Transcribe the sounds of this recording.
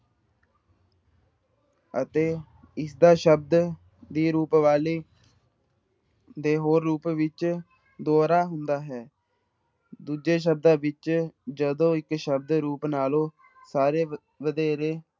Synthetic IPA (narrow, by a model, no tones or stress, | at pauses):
ət̪eː | ɪsd̪aːʃəb̚d̪ | d̪iːɾuːpʋaːliː | d̪eːɦoːɾːuːpʋɪt͡ʃ | d̪oːɾaːɦʊnd̪aːɦɛː | d̪uːd͡ʒeːʃ̬əb̚d̪ãːʋɪt͡ʃd͡ʒəd̪õːɪkʃəb̚d̪ɾuːpnaːlõː | saːɾeː | ʋəd̪eːɾeː